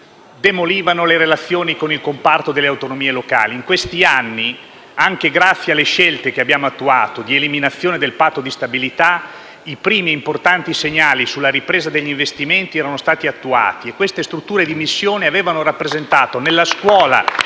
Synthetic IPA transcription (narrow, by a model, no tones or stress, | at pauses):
d̪emoliːvanoleɾelat̪sːjoːnikonilkompart̪od̪elːeawt̪onomiːeloka̰ːliːŋkwest̪ianːi | aŋk̟eɡɾat̪sːjealːeʃɛlt̪ekeabjaːmoat̪ːuaːt̪od̪ieliminat̪sːjoːned̪elpat̪ːod̪ist̪abilit̪a | ipɾiːmiimport̪ant̪iseɲːaːlisulːaɾipɾeːzad̪eʎːiɱvest̪iment̪iɛːɾanost̪aːt̪iat̪ːua̰ːt̪iekːwest̪est̪ɾut̪ːuːɾed̪imisːjoːneaveːvanoɾapːɾezent̪aːt̪onelːaskwɔːla̰